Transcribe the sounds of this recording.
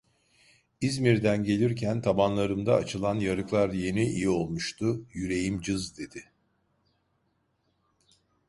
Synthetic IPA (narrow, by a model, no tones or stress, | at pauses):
izmiɾd̪ænɟe̞lʲiɾcʰænt̪ʰabanlˠaɾɯmd̪aːt͡ʃʰɯlˠanjaɾɯklˠaɾje̞niijio̞lˠmuʃt̪ʰʊjyɾe̞jimd͡ʒɯzd̪e̞d̪ɪ